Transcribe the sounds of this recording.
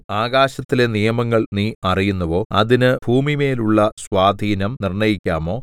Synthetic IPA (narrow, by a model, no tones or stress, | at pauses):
aːɡaːɕɐt̪ːile̞nijɐmɐŋːɐɭniːɐrijunːɐʋo̞ːɐðinɨbʱuːmime̞ːluɭːɐsʋaːd̪ʱiːnɐmnirɳɐjikʲːaːmo̞ː